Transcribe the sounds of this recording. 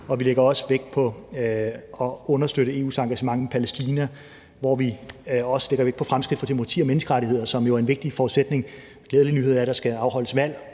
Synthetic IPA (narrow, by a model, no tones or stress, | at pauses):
ɒ̽ʋileɡ̥ɐɒ̽sə̥ʋeɡ̥̚pʰɒ̽ | ɒ̽ɔ̽nɐsd̥øɾ̥əe̝ːṵːsɑ̈ŋɡ̥æɕəmɑ̈ŋmepʰælesd̥iːnæ | ʋɒʋiɒ̽sə̥le̝ɡ̥ɐʋeɡ̥̚pʰɒ̽fʁamsɡ̥ʁid̥fɒt͡sʰemoɑt͡sʰḭːɒ̽menəsɡ̥əʁaɾihe̝ð̰ˠɐsɒ̽mjo̝æɐe̝nʋe̝ɡ̥̚d̥ifɒːu̥sed̥ne̝ŋ | ɡ̥lɛːðˠlinyːe̝ð̰ˠɐe̥ɑsɡ̥æɑ̈ʊɦɒ̽ləsʋæl̰